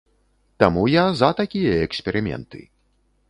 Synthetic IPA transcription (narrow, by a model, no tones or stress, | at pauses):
t̪amujazɐt̪akʲijɐɛksʲpʲɛɾɨmʲɛ̰nt̪ɨ̰